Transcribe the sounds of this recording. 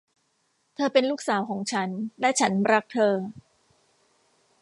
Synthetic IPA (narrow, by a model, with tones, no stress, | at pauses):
t̪ʰɤː˧pe˧nluː˥k̚saː˩˦wkʰɔː˩˦ŋt͡ɕʰa˦˥nlɛ˦˥t͡ɕʰa˦˥nɾa˦˥k̚t̪ʰɤː˧